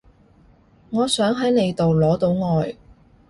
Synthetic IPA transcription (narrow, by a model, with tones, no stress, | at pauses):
ŋɔː˨˧sœː˨˥ŋɦɐ˨˥jne˨˧jt̪o˨wlɔː˨˥t̪o˨˧wŋɔː˨˧j